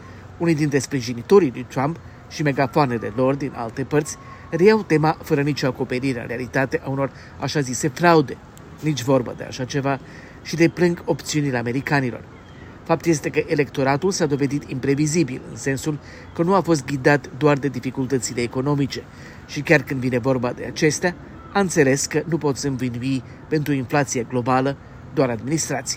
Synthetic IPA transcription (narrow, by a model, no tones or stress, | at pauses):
unid̪int̪ɾe̞spɾiʒinit̪o̞ɾilṵjt̪ɾamp | ʃime̞ɡafoane̞le̞̰lo̞rd̪inʔa̰lt̪e̞pərt̪sʲ | rejawt̪e̞mafəɾənit͡ʃoako̞pe̞ɾiɾeɨ̰nɾealit̪at̪e̞ʔauno̞r | aʃazise̞fɾaud̪e̞ | nit͡ʃʲvo̞rbə̰d̪e̞a̰ʃat͡ʃe̞va | ʃid̪e̞plɨŋɡo̞pt̪siunile̞ame̞ɾikanilo̞̰r | fap̚t̪je̞s̬t̪e̞kəʔe̞le̞kt̪o̞ɾat̪ulsad̪o̞ve̞d̪it̪impɾe̞vizibḭlɨ̰nse̞nsul | kənuafo̞s̬t̪̚ɡʲid̪at̪d̪oard̪e̞d̪ifikult̪ət̪sile̞ːko̞no̞mit͡ʃe̞ | ʃikʲarkɨnd̪vine̞vo̞rbad̪e̞̰at͡ʃe̞st̪ea | aɨnt̪se̞le̞skənupo̞t̪sʲɨnvinui | pe̞nt̪ɾuinflat̪sijeɡlo̞balə | d̪oaɾad̪minist̪ɾat̪sije